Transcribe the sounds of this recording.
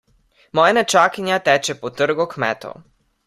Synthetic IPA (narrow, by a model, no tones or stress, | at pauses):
mɔjanɛt͡ʃaːkinjat̪ɛːt͡ʃɛpɔt̪ərɡɔkmɛ̰ːt̪o̰